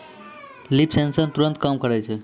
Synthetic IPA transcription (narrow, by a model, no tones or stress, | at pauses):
lipsẽnsənt̪uɾə̃nt̪̚kamkəɾɛt͡ʃʰe